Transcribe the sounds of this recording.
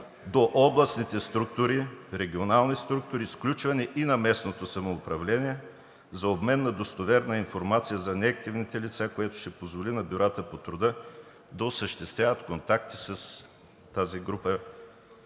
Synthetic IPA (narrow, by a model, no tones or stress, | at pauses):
d̪oʔɔblˠɐsnit̪ɛst̪ɾuk̚t̪uɾiɾɛɡ̟ʲionalˠnist̪ɾuk̚t̪ʊɾisklʲut͡ʃvɐnɛʔinɐmɛsnot̪osɐmoːpɾɐvlɛniɛ | zɐobmɛnːɐd̪ost̪ovɛɾnɐinfoɾmat̪sijəzɐnɛɐk̚t̪ivnit̪ɛlit̪sakojɛt̪ʊ̥ʃt̪ɛpozvolinɐbʲjʊɾat̪əpot̪ɾʊd̪ə | d̪ɐosəʃt̪ɛst̪vʲjavət̪kont̪ak̚t̪i̥sɐs | t̪aziɡɾupə